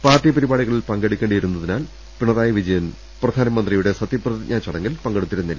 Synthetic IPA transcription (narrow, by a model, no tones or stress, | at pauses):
paːrʈːipɐɾibaːɭiɣɐɭilpɐŋɡeɽikʲːeːɳɖijɐɾunːɐðinaːl | piɳɐðaːjɐʋid͡ʑɐjɐn | prɐd̪ʱaːnɐmɐnd̪rijuɽe̞sɐt̪ːjiprɐðiɲʔaːt͡ɕɐɽɐŋːilpɐŋɡeɽut̪ːiɾunːilːɐ